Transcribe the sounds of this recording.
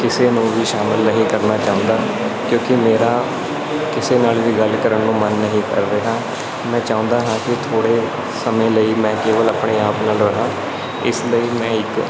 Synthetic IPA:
kɪseːnũːʋiːʃaːmɪlnəɦĩːkəɾnaːt͡ʃaːʊ̃nd̪aː | kjõːkɪmeːɾaː | kɪseːnaːlʋiːɡəlkəɾəɳːũːmənːəɦĩːkə̰ɾːeːɦãː | mɛ̃ːt͡ʃaːʊ̃ːnd̪aːɦãːkɪt̪ʰoːɽeː | səmẽːləiːmɛ̃ːkeːʋələːpɳeːaːpnaːlɾəɦãː | ɪ̰sləiːmɛ̃ːɪk

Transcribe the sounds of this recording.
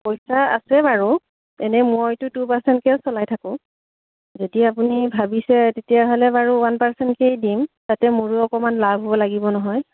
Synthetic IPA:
pojsaa̰sɛbaɹu | ɛnɛmojtʊtupaɹsɛntkɛsɔlajtʰakʊ̃ | zediapunibʱabisɛtetijaɦɔlɛbaɹuwanpaɹsɛntkejdimtatɛmuɹuɔkɔmanlabʱɦobɔlaɡibɔnɔɦɔj

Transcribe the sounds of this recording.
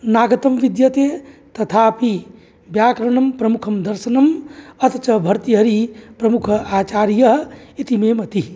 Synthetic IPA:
naːɡɐt̪əmʋid̪jət̪et̪ɐt̪ʰapi | bjaːkɾɐɳɐmpɾɐmukʰɐmd̪ɐɾsɐnɐmɐt̪t͡ʃɐbʱɐɾt̪iɦɐɾipɾɐmukʰaːt͡ʃaːɾijɐɦit̪imemɐt̪i

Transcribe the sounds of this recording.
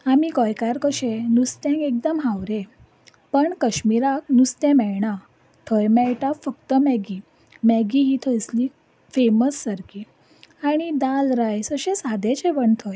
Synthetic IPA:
amikɔjkaɾkəɕenust̪jãŋkek̚d̪əmɦãwɾe | pəɳkəɕmiɾak̚nust̪ɛ̃mɛɭɳa | t̪ʰəjmɛjʈafəkt̪əmɛɡiː | mɛɡiɦiːt̪ʰəjsliː | feməsːəɾki | aɽ̃id̪alɾajsəɕẽsad̪et͡ɕeʋəɳt̪ʰɔj

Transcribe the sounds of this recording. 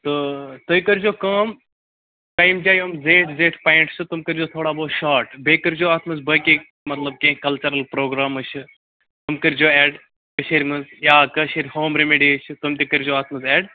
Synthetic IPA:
t̪ot̪oikəɾd͡ʒoːkɐːm | ʈaːjmd͡ʒaːjomzeːʈzeːʈʰpaːiɳʈsʰɨt̪umkəɾd͡ʒoːt̪ʰoːɽaːboːʃaːɾʈbeːkəɾd͡ʒoːaːt̪ʰmɐzbəːki | mɐt̪lɐb̚kẽːkɐlt͡ʃɐɾɐlpɾoːɡɾaːmɐt͡ʃʰ | t̪umkəɾd͡ʒoːɛːɖ | kəʃeɾʲmɐzjaːkəʃeɾʲhoːmɾemeɖiːət͡ʃʰt̪umt̪ʲikəɾʲd͡ʒoːaːt̪ʰmɐzɛːɖ

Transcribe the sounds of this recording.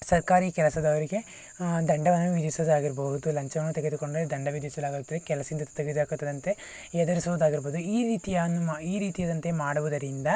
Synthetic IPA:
sɐɾkaːɾikɛlɐsɐd̪ɐʋɐɾiɡe̞ | d̪ɐɳɖɐʋɐnːuʋid̪ʋisɐd̪uaːɡiɾbɐɦud̪ulɐɲt͡ʃɐʋɐnːut̪eɡed̪ukoɳɖed̪ɐɳɖɐʋid̪iʋisɐd̪aːɡɐɡut̪ːɐd̪ekɛlɐsɐind̪ɐt̪eɡed̪uaːkut̪ːɐd̪ɐnt̪e̞ | jɛd̪ɐɾisɐʋuːd̪aːɡiɾboːd̪uiːɾiːt̪ijɐɐnːuiːɾiːt̪ijɐd̪ɐnt̪e̞maːɽuʋud̪ɐɾind̪ɐ

